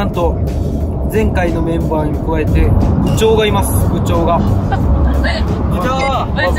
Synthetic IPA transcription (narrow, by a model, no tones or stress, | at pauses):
ãnt̪o̞ | d͡zẽ̞ŋkaino̞mẽ̞mbaːɲikɯ̟βae̞t̪e̞bɯ̟t͡ɕo̞ːɡaimasɨ̥ɡɯ̟t͡ɕo̞ːɡa